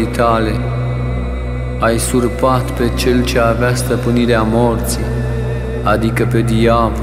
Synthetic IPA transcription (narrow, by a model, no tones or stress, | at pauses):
it̪ale̞ | ajsurpat̪pe̞t͡ʃe̞lt͡ʃe̞aveast̪əpɨniɾeamo̞rt̪si | ad̪ikəpe̞d̪ijav